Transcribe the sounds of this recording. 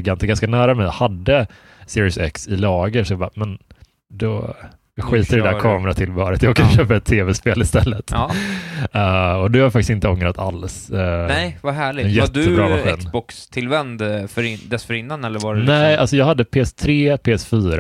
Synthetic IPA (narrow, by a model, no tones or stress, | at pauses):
ɪɡant̪ɡanskanæːɾamɛjhad̪ːə | sɪɾɪsɛ̰ksɪlɑːɡəsɔjɑɡbɑ̰ːmɛn | d̪ɔ | jɑɧiːt̪ədɛd̪æɾkʰɑːmɾat̪ʰɪlbɑːɾət̪jɑːɡkʰanɕøːpaɾɛt̪ʰːeːvɛspeːlɪst̪ɛlːət̪ | ɛɔd̪ɵhajafakt̪ɪsɪnt̪əɔŋɾat̪ʰa̰lsnɛjvaɦæːɭɪɛnjɛtd̪əbɾɑːaɧɛiːnsbɔkst̪ʰɪlvɛnd̪fœɾd̪ɛsfœɾɪnːanɛlːəɾvaɾnɛalsɔjɑːɡhad̪ːəpʰeːɛst̪ʰɾeːpʰeːɛsfyːɾ